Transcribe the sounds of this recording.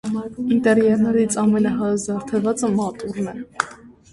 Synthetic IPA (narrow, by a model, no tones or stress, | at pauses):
int̪ɛɾjɛɾnɛɾit͡sʰɑmɛnɑɦɑzɑɾt̪ʰɛvɑt͡səmɑt̪ʼuɾnɛ